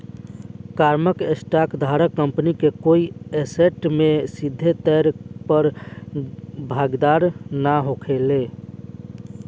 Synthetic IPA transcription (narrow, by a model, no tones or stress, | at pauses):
kaɾməkesʈakd̪ʱaɾəkːəmpnikekoieseʈmesid̪ʱːet̪ɛɾpəɾ | bʱaɡd̪aɾnaɦokʰele